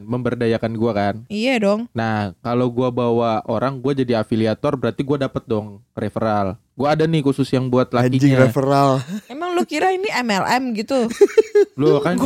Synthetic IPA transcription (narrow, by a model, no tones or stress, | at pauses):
məmbərdajakanɡuakanijadɔŋnahkalawɡuabawaʔoɾaŋɡuad͡ʒadiafiliat̪ɔrbəɾart̪iɡuadapət̪̚dɔŋɾefəɾal | ɡuaːdanɪkusʊsjaŋbuat̪laid͡ʒiaɾefəɾalmemaŋlukiɾainiɛmɛlɛmɡit̪u | lukan